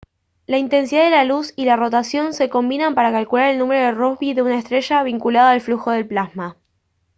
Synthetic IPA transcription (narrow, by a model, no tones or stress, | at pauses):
laint̪e̞nsiðaðelalusilaro̞t̪asjo̞nse̞ko̞mbinampaɾakalkulaɾe̞lnũme̞ɾoðerohβiðe̞unaest̪ɾeʃaβiŋkulaðoalfluxo̞ðe̞lplasma